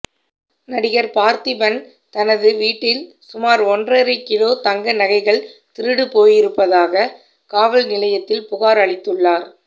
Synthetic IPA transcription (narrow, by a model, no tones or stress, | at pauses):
nɐɽɪɣɐɾpaːɾt̪ipɐn | t̪ɐnɐðɯʋiːʈːɪl | sʊmaːɾɔndrɐɾɐkːɪɽoːt̪ɐŋɡɐnɐɣɐɪɣɐɭt̪ɪɾɯɽɯpoːjɪɾɯpːɐðaːɣɐ | kaːʋɐlnɪlɐjɐt̪ːɪlpʊɣaːɾɐɭɪt̪ːɯɭːaːɾ